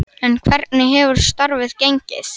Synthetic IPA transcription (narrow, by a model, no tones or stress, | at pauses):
ɛnkʰvɛɾt̪̚nɪɦɛvʏɾ̥st̪aɾvɪðcejɲcɪ̰θ